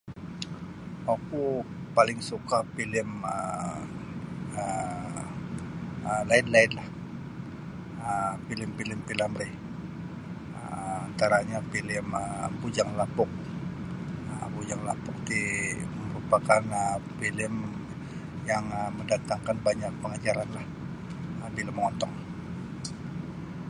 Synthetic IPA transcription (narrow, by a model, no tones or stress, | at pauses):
waku | palɪŋsukapilɪmə | ə | əlaɪd̪laɪd̪lah | əpilɪmpilɪmpilamɾi | əant̪aɾaɲapilɪməbud͡ʒaŋlapʊk̚ | ə̰bud͡ʒaŋla̰pʊk̚dimməɾupakanəpilɪm | jaŋəməndat̪aŋkanbaɲak̚pəŋad͡ʒaɾanlah | əbilamːəŋɔnt̪ɔŋ